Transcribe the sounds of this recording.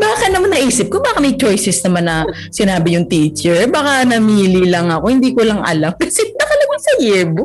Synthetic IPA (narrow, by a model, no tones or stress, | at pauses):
baːkɪt̪nɐmanːɐʔiːsɪp̚kobaːkɐmɐjt͡ʃo̞jsɛsnɐmanːɐ | sɪnaːbɪjʊŋt̪iːt͡ʃɛɹbɐkanɐmiːlilɐŋɐko̞hɪnd̪iːkolɐŋʔɐ̰lamkɐsɛnɐkɐlɐɡajsɐjɛb